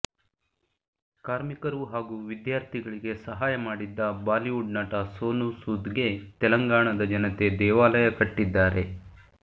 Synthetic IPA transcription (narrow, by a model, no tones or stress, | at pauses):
kaːɾmikɐɾuɦaːɡuːʋid̪jaːɾt̪ʰiɡɐɭiɡe̞sɐɦaːjɐmaːɽid̪ːɐbaːliʋuɖnaːʈɐsoːnusuːd̪ɡe̞t̪ɛlɐŋɡaːɳɐd̪ɐd͡ʒɐnɐt̪e̞d̪ɛːʋaːlɐjɐkɐʈːid̪ːaːɾe̞